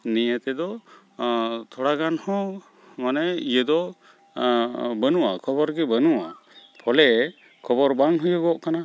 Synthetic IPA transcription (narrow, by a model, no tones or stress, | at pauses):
nijət̪ɛd̪ɔ | t̪ʰɔɽaɡanhɔ̃ | manɛijəd̪ɔ | bənuwakʰɔbɔɾɡɛbənuwa | pʰɔlɛ | kʰɔbɔɾbaŋɦujəɡɔʔkana